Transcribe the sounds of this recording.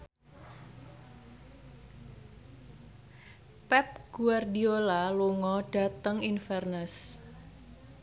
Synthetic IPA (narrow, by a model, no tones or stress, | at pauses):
pɛp̚ɡ̥uardiolaluŋɔɖ̥a̤t̪əŋinfɛrnəs